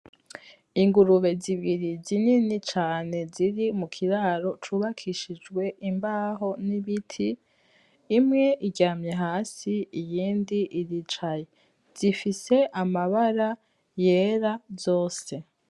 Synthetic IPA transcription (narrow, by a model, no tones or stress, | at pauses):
iŋɡuɾuβe̞ziβiɾizininit͡ʃaːne̞ziɾimukʰiɾaːɾo̞t͡ʃuβakʰiʃid͡ʒɡwe̞ʔimbaːɦo̞niβitʰiː | mŋe̞ʔiɟaːmɲe̞ɦaːsiijiːndiʔiɾit͡ʃaje̞ | z̥ifise̞ʔamaβaɾa | je̞ːɾazo̞ːse̞